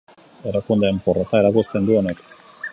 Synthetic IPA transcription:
e̞ɾakund̪eampo̞ret̪ae̞ɾakust̪e̞nd̪uo̞ne̞k

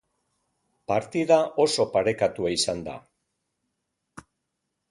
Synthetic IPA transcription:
paɾt̪iðaʔo̞so̞paɾe̞kat̪uaisand̪a̰

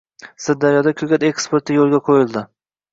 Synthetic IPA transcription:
sɪɾd̪aɾjɒd̪akʲʰɵɡʲat̪e̞kspoɾt̪ɪjolˠɡʲaqʰojɪlˠd̪ɪ

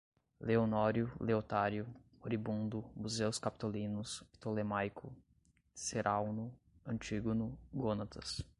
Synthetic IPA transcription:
leonɔɾjʊleot̪aɾjʊ | oɾibũnd̪ʊmuzewskapi̥t̪olĩnʊspi̥t̪olemajkʰʊ | seɾʔawnʊ | ɐ̃nt͡ʃiɡonʊɡonat̪ɐs

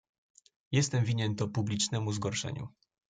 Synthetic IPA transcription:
jɛst̪ɛmvʲiɲɛnt̪ɔpublʲit͡ʂnɛmuzɡɔɾʂɛ̰ɲṵ

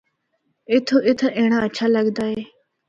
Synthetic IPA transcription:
ɪt̪ʰːoːʔɪt̪ʰaʔẽːɽ̃aːətːʃʰaːləɡd̪aːeː

